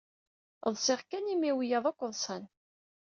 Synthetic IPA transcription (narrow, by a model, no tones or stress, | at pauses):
ðˤsˤɪʁkænimiwijɑðˤakʷːðˤsˤæn